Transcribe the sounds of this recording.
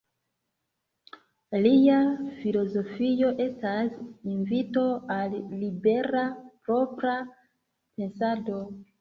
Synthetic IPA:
liafilo̞zo̞fijo̞ʔe̞stasinvito̞alːibe̞ɾapɾo̞pɾa | pe̞nsado̞

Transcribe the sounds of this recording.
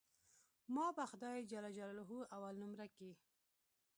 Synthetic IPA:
mɑbaxʊd̪ɑjd͡ʒalad͡ʒalalɦuawalnumɾaki

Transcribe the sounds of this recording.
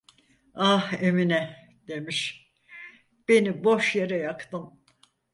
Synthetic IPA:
aheminɛ | d̪e̞miʃ | b̥e̞niboʃjeɾɛjakt̪ɯm

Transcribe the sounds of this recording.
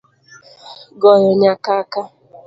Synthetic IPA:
ɡɔjɔɲakaka

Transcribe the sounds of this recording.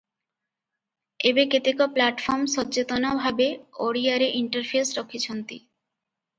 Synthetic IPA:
ebeket̪ekoplaʈfɔɾmʃɔt͡ɕet̪onabʱabeoɽiaɾeʔiɳʈaɾfʰesɾokʰːit͡ɕʰont̪ḭ

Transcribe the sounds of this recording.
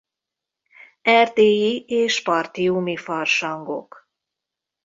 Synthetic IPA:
ɛrt̪eːjieːʃpɒrt̪iumifɒrʃɒŋɡo̞̰k

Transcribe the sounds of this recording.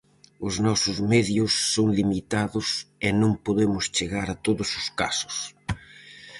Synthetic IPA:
ʊznɔsʊzmɛðjʊsːoŋlimit̪aðʊsenõŋpoðemʊst͡ʃeɣaɾat̪oðʊsʊskasʊ̥s

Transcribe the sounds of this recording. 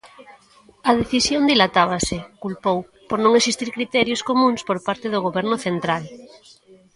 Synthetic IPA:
ɐðeθisjond̪ilat̪aβ̞asɪkulpow | poɾnõŋesist̪iɾkɾit̪ɛɾjoskomũŋspoɾpaɾt̪eðʊɣoβɛɾnʊθent̪ɾal

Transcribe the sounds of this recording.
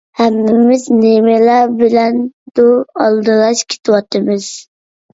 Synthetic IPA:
hɛmːɪmɪznemɪlɑbɪlɛnd̪̥ʊɑlˠd̪ɨlˠɑʃkʲʰe̥t̪ʰɨwɑt̪ʰɨmɨz̥

